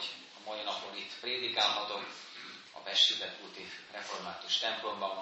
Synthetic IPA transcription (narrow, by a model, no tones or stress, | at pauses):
ɒmɒjinɒponit̪ːpreːd̪ikaːlɦɒt̪o̞m | ɒ̰bɛʃizɛt̪kult̪irɛfo̞rmaːt̪uʃt̪ɛmplo̞mbɒn